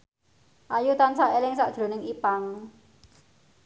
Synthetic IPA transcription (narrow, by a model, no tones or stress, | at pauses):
ʔajut̪ansaʔelɪŋsaʔd̥ʒ̥ɾo̤nɪŋipaŋ